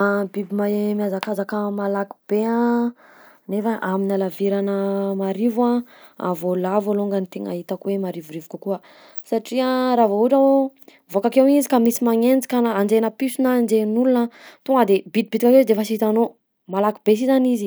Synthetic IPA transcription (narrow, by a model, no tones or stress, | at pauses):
abibimaemiazakazakəmalaku̥b̥eã | nefaʔaminalaviɾanəmaɾivwã | a̰volavoloŋɡanit̪eŋa̰ɦit̪akwemaɾivuɾivukakuə | saʈ͡ʂiaɾavouʈ͡ʂa | vokakewizikamisimaŋend͡zi̥kanand͡ʒenəpisunand͡ʒenulunat̪uŋɡad̪ebid̪ibit̪ikakizd̪eefəsiit̪ano | malakibes̬izanizi